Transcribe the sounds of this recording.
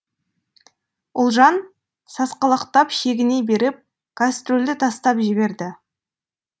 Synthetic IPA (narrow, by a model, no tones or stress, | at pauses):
ʊlˠʒɑn | sɑsqɑlˠɑqt̪ɑpʃe̞ɡʲɪne̞be̞ɾɪp̚ | kʰast̪rolʲd̪ɪt̪ʰɑst̪ɑpʒɪbe̞ɾd̪ɪ